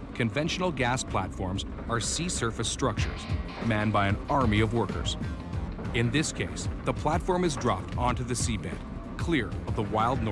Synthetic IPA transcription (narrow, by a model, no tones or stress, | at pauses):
kʰɨ̃ɱvɛ̃nʃn̩l̩ˠɡæspʰl̥ætfɔɹmz | ə˞sisɜ˞fɨstɹ̥ʌk̚t͡ʃə̰˞z̥ | mæ̃nbaɪɨ̃nɑɹmiʌvwɜ˞kə̰˞z̥ | ɪ̃nðɪskʰeɪsðəpʰl̥ætfɔɹmɨzdɹɑ̰p̚tʰɑ̃ntʉðɨsibæ̰̃n | kʰl̥ɪɹʌvðəwaɪlˠdⁿnɔ